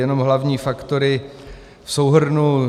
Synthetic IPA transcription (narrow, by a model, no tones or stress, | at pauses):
jɛno̞mɦlavɲiːfakt̪oɾɪ | fsowɦrnu